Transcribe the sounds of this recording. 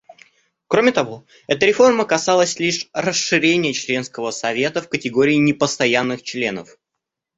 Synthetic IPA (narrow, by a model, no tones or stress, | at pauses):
kɾo̞mʲɪt̪ɐvo̞ | ɛt̪əɾʲɪfo̞rməkɐsalˠəsʲlʲiʂrəsɨɾʲenʲɪjət͡ɕlʲe̞nskəvəsɐvʲe̞t̪əfkətʲɪɡo̞ɾʲɪːnʲɪpəst̪ɐjanːɨxt͡ɕlʲe̞nə̰f